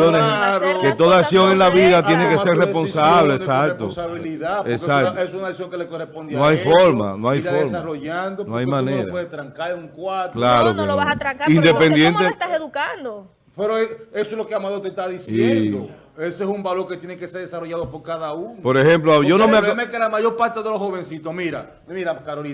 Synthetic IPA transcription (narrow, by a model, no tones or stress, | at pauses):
jonesɾket̪o̞ðaasjo̞ŋenlaβiðat̪jenekeseɾrespo̞nsaβlesakt̪osaβiliðaeksakt̪essunasjoŋkelekorespond̪jnõajfoɾma̰nõajfoɾmroʝand̪onoajmãnẽɾaeðet̪ɾaŋkauŋkwat̪laɾokaloβasat̪ɾaaind̪epend̪jent̪et̪aseðukand̪o | peɾoeesoelokeamaðoɾt̪est̪aðisiend̪o | esoesumbaloɾket̪jeneŋkeseɾðesaroʝaðopoɾkaðaunopo̞ɾehe̞mploʝonomeamekelamaʝo̞ɾpaɾt̪eðeloshoβensit̪osmiɾa | miɾakaɾoli